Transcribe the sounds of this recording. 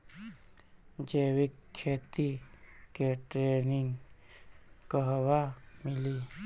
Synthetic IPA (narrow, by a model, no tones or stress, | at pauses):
d͡ʒewikʰːet̪ikeʈɾeniŋ | kəɦwamili